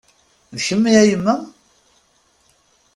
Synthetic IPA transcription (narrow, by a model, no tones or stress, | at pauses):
ðçəmːiæjəmːæ